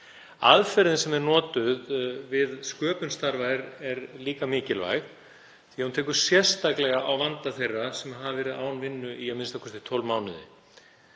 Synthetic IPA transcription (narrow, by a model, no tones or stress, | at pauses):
a̰ðfɛɾðɪnsɛmɛɾnɔːt̪ʏðvɪðskœːpʏnst̪aɾvaɾɛɾliːkamɪːcɪlva̰jɣ | θiahunt̪ʰɛːkʏɾ̥sjɛ̥st̪aklɛɣaʔawvant̪aθejrːasɛmaɦavavɛːɾɪða̰ːwnvɪnːʏʔiawmɪnst̪akʰɔst̪ɪt̪ʰɔlmaːwnɪðɪ̰